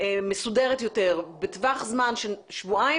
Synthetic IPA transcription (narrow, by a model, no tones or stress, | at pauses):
mesudeʁet̪joteʁbetvaχzmanʃeʃvua